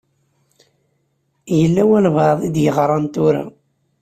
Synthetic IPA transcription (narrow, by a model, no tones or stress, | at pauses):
jəlːæwælvɑðˤid̪jəʁɾˤɑnt̪ʊɾa̰